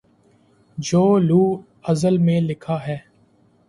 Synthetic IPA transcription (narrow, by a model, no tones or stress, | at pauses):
d͡ʒoːluː | əzəlmẽːlɪkʰaːɦɛː